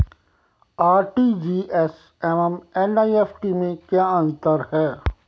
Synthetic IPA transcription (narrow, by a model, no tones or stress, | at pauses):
aːɾʈiːd͡ʒiːʔɛs | ɛmɛmɛnaːieːfʈimẽkjaːə̃nt̪əɾhɛː